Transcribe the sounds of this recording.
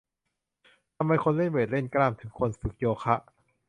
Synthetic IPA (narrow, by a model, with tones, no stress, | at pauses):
t̪ʰa˧mːa˧jkʰo˧nle˥˩nweː˨˩t̪̚le˥˩nklaː˧˩˨mt̪ʰɯ˩˦ŋkʰo˧nsɯ˨˩k̚joː˧kʰa˦˥ʔ